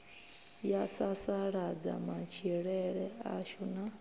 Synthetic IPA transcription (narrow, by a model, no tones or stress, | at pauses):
jasasaɺad͡za̰mat͡ʃʰiɺɛɺɛa̰ʃuna